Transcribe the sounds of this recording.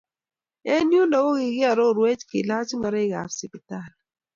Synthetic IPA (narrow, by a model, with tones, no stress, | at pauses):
ɛ˦nju˦ndɔ˨ɡo˦ɡɪ˨ɡɪ˦a˨ɾo˦˨ɾwe˦t͡ʃkḭ˨la˦t͡ʃma˨ɾɛ˦ɡa̰˨fsi˨pi˨ta˦˨l